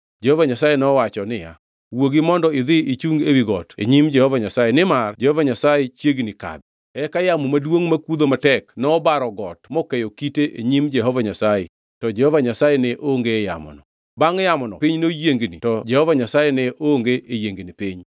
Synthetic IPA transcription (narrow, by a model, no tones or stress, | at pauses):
d͡ʒɛhɔvaɲasajenɔɔwat͡ʃɔnɪja̰ | woɡɪmɔndɔɪðɪit͡ʃuŋɡewiɡɔtḛɲimd͡ʒɛhɔvaɲasajenɪmard͡ʒɛhɔvaɲasajet͡ʃjeɡnika̰d̪̚ | ɛkajamumadwoŋmakwud̪omatɛknɔːbaɾɔɡɔtmɔkejokiteʔḛɲimd͡ʒɛɦɔvaɲasajɛ̰ | tɔd͡ʒɛhɔvaɲasajɛnɪʔoŋɡeːja̰mɔ̰nɔ | baŋjamɔnɔ̰pɪɲnojeŋɡnḭtɔd͡ʒɛhɔvaɲasajenɪʔoŋɡeʔejeŋɡnɪpɪɲ